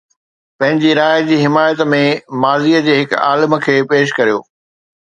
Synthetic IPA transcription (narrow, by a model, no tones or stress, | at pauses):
pɐ̃ɦɪ̃ɲd͡ʑiɾaːjd͡ʑiːɦɪmaːjət̪mẽmaːziːəd͡ʑeːɦɪka̰ːləmə̆kʰeːpeːʃ̬kɐɾijo̰ː